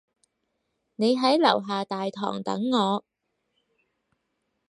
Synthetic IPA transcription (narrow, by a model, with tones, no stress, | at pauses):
ne˨˧jɦɐ˨˥jlɐ̰˨˩wɦaː˨t̪aː˨jt̪ʰɔ̰ː˨˩ŋt̪ɐ̰˨˥ŋːɔː˨˧